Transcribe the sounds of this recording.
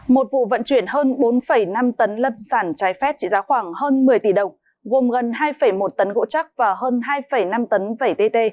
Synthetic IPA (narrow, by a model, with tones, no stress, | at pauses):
mo˨˩t̚vṵ˧˨və̰˧˨nt͡ɕwi˧˩ənɦəː˧nɓo˨˦nfə˧˩jna˧mt̪ə˨˦nlə˧p̚saː˧˩nt͡ɕaː˨˦jfɛ˦˥p̚t͡ɕḭ˧˨zaː˨˦xwaː˧˩ŋhəː˧nmɨ˨˩əjt̪i˧˩ɗə˨˩wŋ͡m | ɣo˨˩mɣə˨˩nɦaː˧jfə˧˩jmo˨˩t̚t̪ə˨˦nɣo̰˧˥t͡ɕa˦˥k̚vaː˨˩ɦəː˧nɦaː˧jfə˧˩jna˧mt̪ə˨˦nvə˧˩jt̪e˧t̪e˧